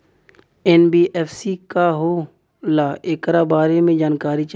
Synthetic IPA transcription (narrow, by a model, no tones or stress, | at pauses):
ɛːnbiːʔɛːfsikaɦo | laːekɾabaːɾemẽd͡ʒaːnkaːɾit͡ʃ